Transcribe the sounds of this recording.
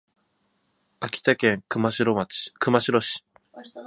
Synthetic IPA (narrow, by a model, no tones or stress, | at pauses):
akʲi̥t̪akẽ̞ŋkɯ̟maɕiɾomat͡ɕi̥kɯ̟maɕiɾo̞ɕi̥